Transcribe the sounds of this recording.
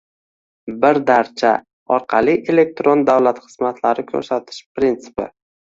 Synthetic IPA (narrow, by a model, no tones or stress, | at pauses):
bɪɾd̪aɾt͡ʃʰa̰ | ɒɾqʰɑlˠiʔe̞le̞k̚t̪ɾond̪awlat̪χɨ̥z̥mat̪ʰlaɾɪkʲʰɵ̰ɾsat̪ʰɪ̥ʃpɾint̪sʰɪ̥pɪ̰